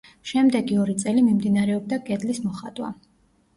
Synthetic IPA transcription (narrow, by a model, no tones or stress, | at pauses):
ʃɛmd̪ɛɡiɔɾit̪sʼɛlimimd̪inaɾɛɔb̚d̪aɡɛd̪lismɔχat̪ʼwa̰